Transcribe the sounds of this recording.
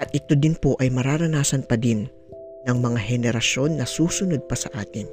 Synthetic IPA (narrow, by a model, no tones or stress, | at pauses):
ʔɐt̪̚ʔɪt̪o̞d̪ɪnpo̞ʔɐjmɐɾaːɾɐnaːsɐnpɐd̪ɪnː | ɐŋmɐŋaɦɛnɛɾɐʃo̞nːɐsuːsʊno̞d̪̚pɐsɐʔaːt̪ɪn